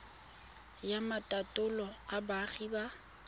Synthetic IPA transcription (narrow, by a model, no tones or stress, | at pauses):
jamatʼatʼʊlɔabaχiba